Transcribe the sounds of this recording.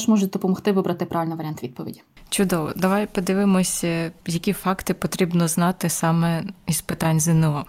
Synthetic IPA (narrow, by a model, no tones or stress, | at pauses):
ʃmɔʒʊd̪ɔpɔmɔxt̪ɪʋɪbɾɐt̪ɪpɾʔɑʋʲilʲnʋɐɾʲant̪ʋʲid̪̚pɔʋʲḭdʲi̥t͡ʃʊd̪ɔʋɔd̪ɐʋɑjpɔd̪ɪʋɪmɔsʲɐjɐkʲifɑkt̪ɪpɔt̪ɾʲibnɔznɑt̪ɪsɑmɛispɪt̪ɑnʲzɪnɪɔ